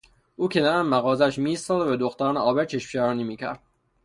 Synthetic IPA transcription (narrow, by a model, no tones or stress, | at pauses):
ʔuːcʰenɒːɾænmæɣɒːzæʃmiːst̪ɒːzvæd̪oxt̪æɾːnɒːbeɾt͡ʃʰeʃpʃæɾɒːnimiːkcʰæ̰ɾd̪̥